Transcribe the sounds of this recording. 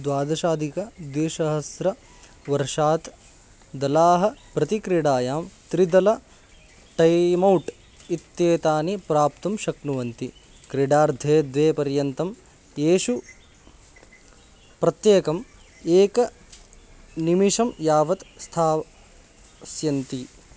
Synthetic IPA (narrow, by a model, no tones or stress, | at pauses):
d̪ʋaːd̪ɐʃaːd̪ikɐd̪iːʃɐɦɐsɾɐ | ʋɐɾʂaːt̪ | d̪ɐlaːɦɐ̆pɾɐt̪ikɾiɽaːjaːmt̪ɾid̪ɐlɐ | ʈɐjmɐwʈ | it̪jeːt̪aːnipɾaːp̚t̪ɐmʃɐknuʋɐnt̪i | kɾiɽaːɾd̪ʱeːd̪ʋeːpɐɾjɐnt̪ɐm | eːʃu | pɾɐt̪jeːkɐm | eːkɐ | nimiʂɐmjaːʋɐt̪st̪ʰaː | sjɐnt̪i